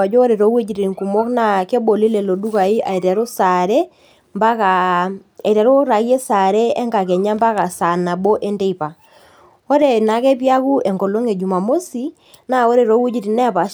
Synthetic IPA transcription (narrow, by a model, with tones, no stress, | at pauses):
a˨d͡ʒoː˦ɾe˨ɾo˨˦we˦d͡ʒi˨ɾi˨ŋku˨mɔ˦kna˦˨ke˦bo˨li˦le˨lo˨ɗu˦ka˨i˦ʔa̰˨i˨tɛ˨ɾo˦sa˨ɾe˦ | mba˦ka˨a˨i˨tɛ˨ɾo˦ɾa˨ɣje˦sa˨ɾe˦ɛ˦ŋɡa˨kɛ˨ɲa˦mba˦ka˨sa˨na˨ɓo˦ʔe˦nde˦i˨pa˨ | o˦ɾe˨na˨˦kɛ˦pja˦ku˦e˨ŋɡo˨lo˦ŋe˨d͡ʒu˨ma˨mo˦si˦ | na˦o˦ɾe˨ɾo˨˦we˦d͡ʒi˨ɾi˨nɛ˦˨pa˨ʃ